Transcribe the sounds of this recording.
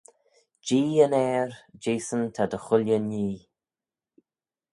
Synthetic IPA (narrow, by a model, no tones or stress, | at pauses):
d͡ʒiːənɛːɹd͡ʒeːsənt̪ʰad̪əxʊlʲjəniː